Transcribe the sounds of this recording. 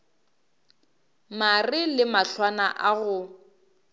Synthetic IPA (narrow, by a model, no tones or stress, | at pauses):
marɪlɪmaɬwana̰ʔaɣʊ